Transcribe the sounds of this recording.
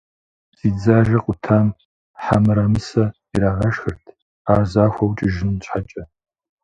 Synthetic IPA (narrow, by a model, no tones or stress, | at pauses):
z̥iːd͡zaːʒɐqʷʼʊtʰaːm | ħamɨɾɐmɨsɐ | iɾaːʁɐʃxɨrtʰ | aːzaːxʷɐwt͡ʃʼɪʒɪnt͡ɕʰʼħat͡ʃʼɐ